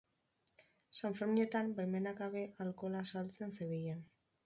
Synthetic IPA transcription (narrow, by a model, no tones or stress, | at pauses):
saɱfeɾmie̞t̪ambajme̞nakaβe̞ʔalko̞lasalt͡se̞nseβejen